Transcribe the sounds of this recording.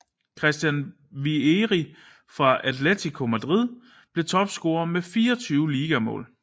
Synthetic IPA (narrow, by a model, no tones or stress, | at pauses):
kʰʁɛsd̥jæn | ʋieʁi | fʁɑ̈ʔædlet͡sʰikʰo̝mæd̥ʁið̞̰ˠ | b̥le̝t͡sʰɒ̽b̥sɡ̥o̝ːɐmefiːɐt͡sʰyːʊəliːɡ̥æmɔ̰̽ːl